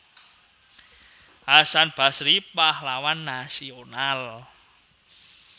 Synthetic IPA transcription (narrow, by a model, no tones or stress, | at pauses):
ʔasanb̥a̤sɾipahlawanːasional